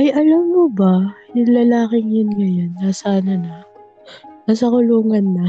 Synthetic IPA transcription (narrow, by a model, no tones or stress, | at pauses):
ʔɐjʔɐlamːobajʊŋlɐlaːkɪŋjʊnɡɐjanːasanɐnɐ | nas̬ɐkʊluːŋɐnːɐ